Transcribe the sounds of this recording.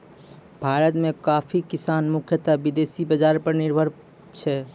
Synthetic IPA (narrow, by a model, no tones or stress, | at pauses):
bʱaɾət̪mekapʰikisanmukʰjət̪abid̪esibəd͡ʒaɾpəɾniɾbʱəɾ | t͡ʃʰɛ